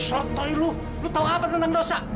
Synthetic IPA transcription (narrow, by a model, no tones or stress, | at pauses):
sɔt̪ɔilu | lut̪auŋapat̪ənt̪aŋdosa